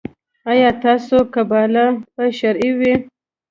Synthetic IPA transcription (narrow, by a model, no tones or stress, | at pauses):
ajɑt̪ɑːsokabɑːlapaʃaɾiwi